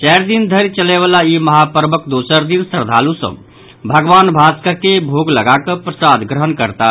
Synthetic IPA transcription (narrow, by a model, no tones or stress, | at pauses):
t͡ʃɛːɾd̪ind̪ʱəɾt͡ʃəleʋaːlaiməɦapəɾmək̚d̪oːsəɾd̪insəɾd̪ʱaːlusə̰̃ | bʱəɡʋaːnbʱaːskakebʱoːɡləɡakəpɾəsad̪ɡɾəɦənkəɾt̪a